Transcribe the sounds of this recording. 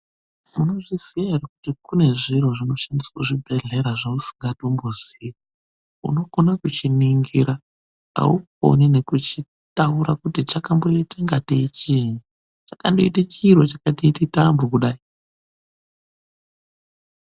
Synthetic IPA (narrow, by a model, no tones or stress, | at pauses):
muno̞ʐisijaɦeɾakutikune̞ʐiroʐino̞ʃandisḁkuʐibʱe̞ɮe̞ɾaʐausi̥ŋɡadombozi | ṵno̞konakut͡ʃiniŋɡiɾa | a̰uk̚o̰nine̞kut͡ʃi | tauɾakutit͡ʃakambo̞itaŋɡateit͡ʃini | t͡ʃḁkandoitat͡ʃiːrot͡ʃakateititambokuɗaːi